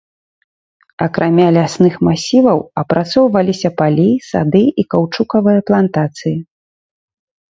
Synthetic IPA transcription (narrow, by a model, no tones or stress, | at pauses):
ɐkɾʔamʲalʲasnɨxmasʲivɐwɐpɾʔat̪sɔwvɐlʲisʲɐpalʲisa̰d̪ɨikawt͡ʂukɐvɨjɐplˠant̪at̪sɨji